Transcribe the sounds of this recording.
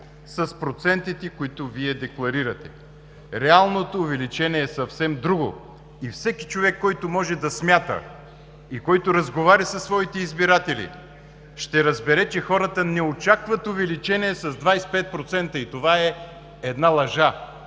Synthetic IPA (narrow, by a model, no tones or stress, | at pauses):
sɐspɾot̪sɛnt̪it̪ɛkʊit̪ʊviɛd̪ɛklˠɐɾiɾɐt̪ɛ | ɾɛalˠnot̪oːvɛlit͡ʃɛniɛːsɐfsɛmd̪ɾuɡo̰ | ifsɛki̥t͡ʃovɛkːɔjt̪omɔʒɛd̪ɐsmʲjat̪ə̰ | ikɔjt̪oɾɐzɡovaɾʲisɐsːvɔit̪ɛizbiɾat̪ɛlḭ | ʃt̪ɛɾɐzbɛɾɛt͡ʃɛxɔɾət̪ənɛot͡ʃakvət̪ovɛlit͡ʃɛniɛsɐzd̪vajspɛt̪̚pɾot̪sɛnt̪əit̪ovaɛ | ɛd̪nalˠɐʒa